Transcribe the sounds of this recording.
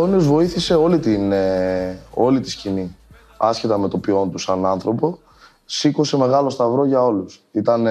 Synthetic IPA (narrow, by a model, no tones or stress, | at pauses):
oniozvo̞iθise̞o̞lit̪ine | o̞lit̪i̥scini | ɐsçe̞t̪ɐme̞t̪o̞pio̞nt̪usɐnɐnθɾo̞po̞ | siko̞se̞me̞ɣɐlo̞st̪ɐvɾo̞ʝɐo̞lusit̪ɐn